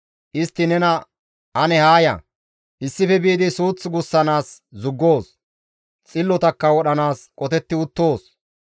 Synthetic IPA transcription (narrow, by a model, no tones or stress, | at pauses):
ʔɪst̪ːɪnɛnɐ | ʔɐnɛhaːjɐ̰ | ʔɪsːɪfɛbiːd̪ɪsuːt͡sːɪɡʊsːɐnaːs | zʊɡːo̞ːs | t͡sʼɪlːɔt̪ɐkːɐwɔɗɐnaːskʼɔt̪ɛt̪ːɪʊt̪ːo̞ːs